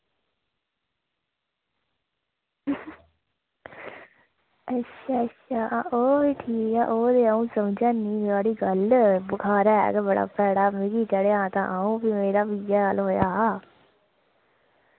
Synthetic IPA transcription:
əʃʰaːəʃʰaːoːbiːʈʰiːkɛːʔoːd̪eːaːũːsəmd͡ʒãːniːaːɽiːɡəlbəkʰaːɾaːɦːɡɛbəɽa̰ːpɛːɽaːmɪɡiːt͡ʃəɽeːãːt̪ã̰ːʔaːũːpiːmeːɾaːbiːd͡ʒaːɡəlɦoːjaː

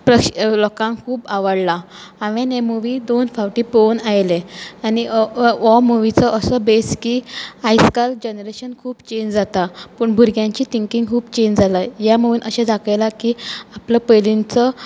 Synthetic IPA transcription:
pɾəkɕlɔkãŋkʰuːpaʋəɽla | aʋẽnemuʋid̪onfaʋʈiponajleaniɔmuʋit͡səʔəsəbeskiajskald͡ʑenɾeɕənkʰuːbt͡ɕẽɲd͡ʑd͡zat̪apəːɳbʱuɾɡjãɲt͡ɕiːt̪ʰiŋkiŋɡkʰuːbt͡ɕẽɲd͡ʑd͡zʱalajaməuːnʔəɕẽd͡zʱakəjlakiapləpəjlint͡sə

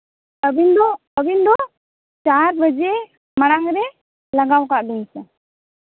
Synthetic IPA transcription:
əbind̪ɔ | əbind̪ɔ | t͡ʃaɾbəd͡ʒɛ | maɽ̃aŋɾɛ | laɡawkaʔbɛnsɛ

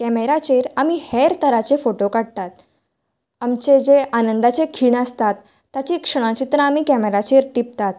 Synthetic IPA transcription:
kɛmeɾat͡ɕeɾamiːhɛɾt̪əɾat͡ɕefoʈokaɽt̪at̪̚ | amt͡ɕed͡zeanənd̪at͡sekʰiːɳəst̪at̪ː | at͡ɕikʂəɽ̃ãt͡ɕit̪ɾəamiːkɛmeɾat͡ɕeɾʈip̚t̪at̪

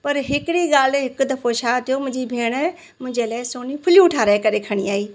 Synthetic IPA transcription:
pɐɾɦɪkɪɽiɡaːlɦɪkd̪ɐfʰot͡ʃʰaːt̪ʰijomʊ̃ɦɪ̃ɲd͡ʑibʱeːɽ̃ | mʊ̃ɦɪ̃ɲd͡ʑelaːɪsoːnipʰʊljuʈʰaːɾaːɪkɐɾekʰɐɽ̃iaːiː

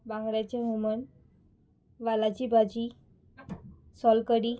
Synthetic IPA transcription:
bãŋɡɾat͡ɕeɦumən | ʋalat͡ɕibʱad͡ʑi | sɔlkəɽi

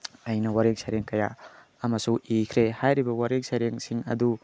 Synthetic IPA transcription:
ɐjnɐwaɾek̚sajɾeŋkɐja̰ː | mɐsuʔikʰɾehajɾibɐwaɾek̚sajɾeŋsiŋɐ̰du

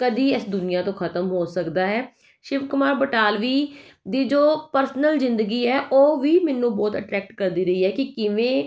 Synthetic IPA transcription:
kəd̪iːɪsd̪ʊnɪjaːt̪õːkʰət̪əmɦoːsəkd̪aːɦɛː | ʃɪʋkʊmaːɾbəʈaːlʋiːd̪iːd͡ʒoːpəɾsnəlzɪ̃nd̪əɡiːɛːʔoːʋiːmɛnːũːbɔːt̪ə̰ʈɾɛːk̚ʈkəɾd̪iːɾəiːɦɛːkɪkɪʋẽː

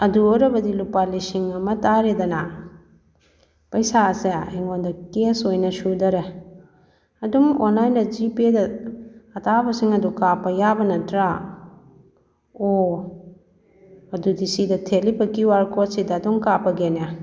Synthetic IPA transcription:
ɐduoɾɐbɐdilupalisiŋɐmɐtaɾedɐnɐ | pɐjsaseeŋondɐkesojnɐsudɐɾe | ɐdumonlajndɐd͡ʒipedɐː | tʰabɐsiŋɐdukapːɐjabɐnɐtɾa | o | ɐdudisidɐtʰelibɐkiwaɾkʰotsidɐːduŋkapɐɡena

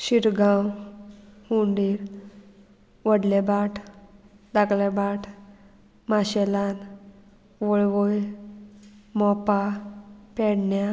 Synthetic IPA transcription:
ɕiɾɡʱãw | huɳɖiɾ | ʋəɽlebaʈʰ | d̪aklɛbaʈʰ | maɕɛlan | ʋoɭʋoj | mɔpapɛɽɳja

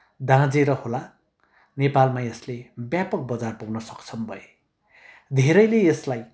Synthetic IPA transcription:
d̪ãd͡zeɾʌhola | nepalmaeslebjapʌk̚bʌd͡zarpuɡnʌsʌ̥kt͡sʰʌmbʱʌe | d̪ʱeɾʌjleeslaj

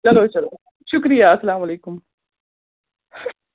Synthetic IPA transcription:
t͡ʃɐloːt͡ʃɐloː | ʃukɾijaɐsɐlaːmɐleːkum

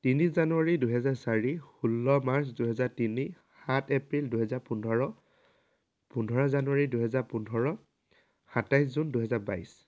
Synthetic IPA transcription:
tiniszanuaɹiduɦɛzaɹsaɹihulːɔmaɹsduɦɛzaɹtini | hatʰepɹilduɦɛzaɹpunʱɔɹɔ | pundʱɔɹɔzanuwaɹiduɦɛzaɹpundʱɔɹɔ | hatajs̬zunduɦɛzaɹba̰js

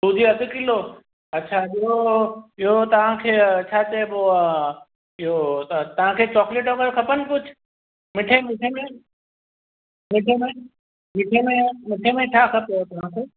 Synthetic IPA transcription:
t̪uːd͡ʒiɐd̪kilo | ɐtːʃʰaɪɦoɪɦot̪ɐʋ̤ãkʰeːɐtːʃʰat͡ʃebo | ɪɦot̪t̪ɐʋ̤ãkʰeːt͡ɕɔːkleʈokəɾkʰɐpənkʊt͡ʃʰ | mɪʈʰemɪʈʰemẽ | mɪʈʰemẽ | mɪʈʰemẽmɪʈʰemẽʈʰaːkʰɐpejot̪ɐʋ̤ãkʰeː

